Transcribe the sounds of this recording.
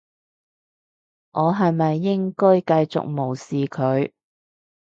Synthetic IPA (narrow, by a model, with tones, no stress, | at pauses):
ŋʔɔː˨˧ɦɐ˨jmɐ˨jːɪ˥ŋkɔː˥jkɐ˧jt͡sʊ̰˨k̚mo˨˩wsiː˨kʰɵ˨˧ɥ